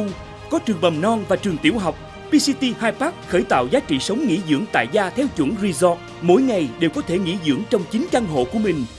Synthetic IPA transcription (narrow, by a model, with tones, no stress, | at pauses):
ŋ͡m | kɔ˨˦t͡ɕɨ˨˩əŋɓə˨˩mnɔ˧nvaː˨˩t͡ɕɨ˨˩əŋt̪i˧˩əwɦa˨˩wk͡p̚ | pi˧si˧t̪i˧haː˧jpaː˦˥k̚xəː˧˩jt̪a̰ː˧˨wzaː˨˦t͡ɕḭ˧˨sə˨˦wŋ͡mŋḭ˧˥zɨ̰˧˥əŋt̪a̰ː˧˨jzaː˧t̪ʰɛ˧wt͡ɕwə̰˧˩nzi˧zɔ˦˥t̚ | mo̰˧˥˦jŋa˨˩jɗe˨˩wkɔ˨˦t̪ʰe˧˩ŋḭ˧˥zɨ̰˧˥əŋt͡ɕɔ˧wŋ͡mt͡ɕi˨˦ŋ̟ka˧nɦo̰˧˨ku˧˩əmï˨˩ŋ̟